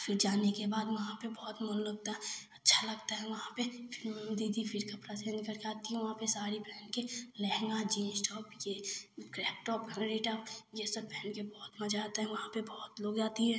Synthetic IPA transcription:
fɪɾd͡ʒaːnekebaːd̪ʋɐɦãpebɔːt̪mʊlləɡ̚t̪aɦɛɐtːʃʰalɐɡt̪aɦɛ̃ʋɐɦãpefʰɪɾmɛmd̪id̪ʱifʰɪɾkapɾasẽnkəɾkaːt̪iɦɛ̃ʋɐɦãpesaːɾipɛːɳkelɛɦŋɡad͡ʒĩːnsʈɔːpjekɾɛːp̚ʈɔːpɦɛ̃ɾiʈəpjesəbpɛːɳɖkebɔːt̪mɐd͡ʒaːt̪aɦɛ̃ʋɐɦãpebɔːt̪loːɡd͡ʒaːt̪iɦɛ̃

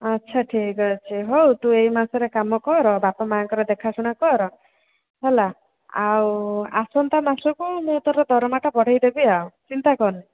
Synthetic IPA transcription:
ɔtːʃʰaʈʰikɔt͡ʃʰiɦowt̪uejmasɔɾekamɔkɔɾɔbapɔmaaŋkɔɾɔd̪ekʰasuɽ̃akɔɾɔ | ɦela | awasɔnt̪amasɔkumut̪ɔɾɔd̪ʱɔɾɔmaʈabɔɽ̤ajd̪ebiawt͡ʃint̪akɔɾne

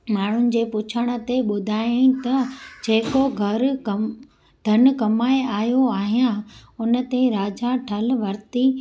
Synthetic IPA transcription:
maːɳ̤ʊnɪ̆d͡ʑeːpʊt͡ɕʰəɽ̃ə̆t̪eɓʊd̪ʱaːĩt̪ɐd͡ʑeːkoɡʱɐɾkɐ | d̪ʱɐn̆kɐmaːeaːɦjoaːɦijãʊnə̆t̪eɾaːd͡ʑaʈʰɐlʋɐɾt̪i

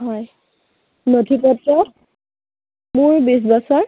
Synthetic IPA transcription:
ɦɔj | notʰipɔtɹɔ | mʊɹbis̬basaɹ

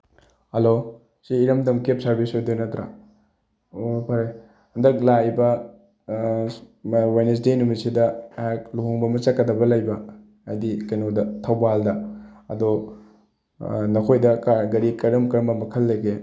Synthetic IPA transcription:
hɐlo | siːɾɐmdɐmkep̚sɐɾbisodojnɐtɾa̰ | opʰɐɾaj | hɐndɐk̚lajbɐ | wajnes̬denumisidɐak̚luɦoŋbɐmɐt͡ʃɐkːɐdɐbɐlɐjbɐ | adikɐjnodɐtʰɐwbaldɐɐdo | nɐkʰojdɐkaɡɐɾikɐɾɐmkɐɾɐmbɐmɐkʰɐlːɐjɡe

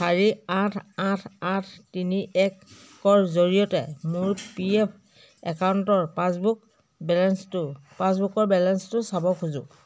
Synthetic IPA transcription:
saɹiatʰatʰatʰtiniʔɛkː | ɔɹzoɹijɔtɛmʊɹpiɛpʰ | ɛkawntɔɹpasbuk | bɛlɛnstʊpasbukɔɹbɛlɛnstʊsabɔkʰuzʊ̰

